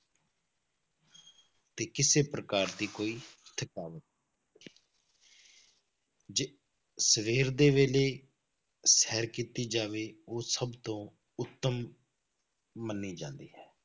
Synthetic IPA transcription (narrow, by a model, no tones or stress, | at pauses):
t̪eːkɪseːpɾəkaːɾd̪iːkoːiːt̪ʰəkaːʋət̪̚ː | d͡ʒe | səʋeːɾd̪eːʋeːleː | sɛːɾkiːt̪iːd͡ʒaːʋeːoːsəbt̪õː | ʊt̪ːəm | ənːiːd͡ʒã̰ːnd̪iːɦɛː